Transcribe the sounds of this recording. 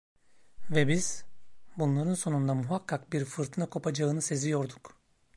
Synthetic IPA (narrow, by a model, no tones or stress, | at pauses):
vɛbiz̥bunlˠaɾɯnso̞nund̪amuɦakʰːakbiɾfɯɾt̪ʰɯnakʰo̞pad͡ʒaɯnɯse̞zijo̞ɾd̪uk